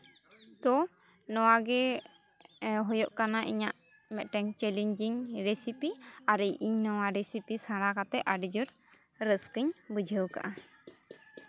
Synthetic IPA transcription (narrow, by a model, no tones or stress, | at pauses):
t̪ɔ | nɔwaɡɛ | ɦɔjɔʔkanaʔḭɲaʔ | mɛʔ̪ʈɛŋt͡ʃɛliɲd͡ʒiɲɾesipiaɾijʔiɲnɔwaɾesipisãɽakat̪ɛʔʔaɖid͡ʒɔɾ | ɾəskəɲbəd͡ʒʱəwka̰ʔa